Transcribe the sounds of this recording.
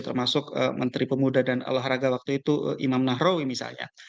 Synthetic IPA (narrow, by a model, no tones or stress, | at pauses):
t̪ərmasʊkə̰mʔənt̪ɾipəmudadana̰laɦɾaɡawak̚t̪uit̪uʔimamnaɦrowimisa̰lɲa̰